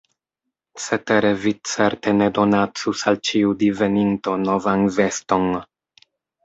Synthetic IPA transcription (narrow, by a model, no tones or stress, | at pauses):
t͡set̪eɾevit͡seɾtenedo̞nat͡susalt͡ʃiud̪ive̞ninto̞novanve̞sto̞n